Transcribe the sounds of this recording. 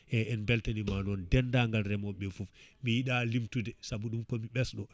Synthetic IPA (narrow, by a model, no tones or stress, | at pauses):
ʔɛɛnbɛltanimanɔndɛndaŋɡalɾɛmɔɓːɛfufmijiɗalimtudɛsabuɗumkɔmiɓɛsɗɔ